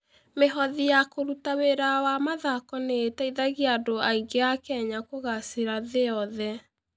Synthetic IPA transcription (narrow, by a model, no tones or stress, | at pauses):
meɦɔðijakoɾutaweɾawamaðakɔneːtaiðaɣiadoaiɡeakɛɲakoɣaseɾaðeɔðɛ